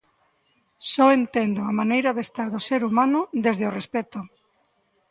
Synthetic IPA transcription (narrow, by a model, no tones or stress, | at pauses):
sɔent̪end̪oamanejɾaðest̪aɾðoseɾumanʊðezðɪorespɛt̪ʊ